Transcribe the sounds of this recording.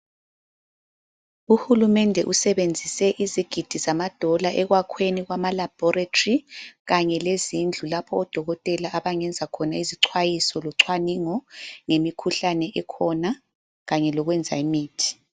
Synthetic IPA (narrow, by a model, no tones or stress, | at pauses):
uhulumɛndʱɛʔusɛβend͡zʱisɛʔiziɡ̥ʱid̥ʱizamad̥ʱɔlaʔɛɣwakʰweniɣwamalab̥ʱɔratʰoriɣaɲɛlezind͡ɮʱulapʰɔːd̥ʱɔɣɔtʼɛlaʔaβaŋɛnd͡zʱakʰɔnaiziǀʰwajisɔlɔǀʰwaniŋɔŋemikʰuɬanɛʔɛkʰɔna | ɣaɲɛlɔɣwɛnd͡zʱaimiːtʰi̥